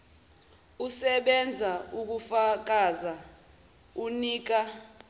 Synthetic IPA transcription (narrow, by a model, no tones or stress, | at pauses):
usɛɓɛnd͡zʱauk̬ufak̬aza | uniːk̬a